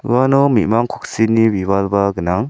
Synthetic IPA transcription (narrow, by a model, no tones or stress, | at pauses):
wanɔmimaŋkʰuk̚sinibibalbaɡənaŋ